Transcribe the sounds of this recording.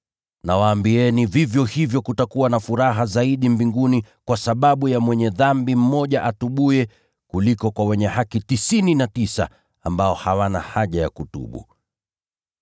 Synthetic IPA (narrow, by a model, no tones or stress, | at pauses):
nawaːmbiɛnivivjɔhivjɔkutakuwanafuɾaɦazaiɗimbiŋɡunikwasaɓaɓujamwɛɲɛðambim̩mɔʄaʔatuɓuɛ | kulikɔkwawɛɲɛhakitisininatisa̰ | ambaɔhawanahaʄaja̰kutṵɓṵ